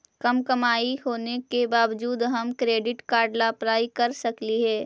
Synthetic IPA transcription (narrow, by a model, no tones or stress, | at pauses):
kɐmkəmaːiɦoːnekebaːʋd͡ʒuːd̪ɦɐmkɾeːɖɪʈkaːɾɖlapɾaːikɐɾsɐkliɦɛː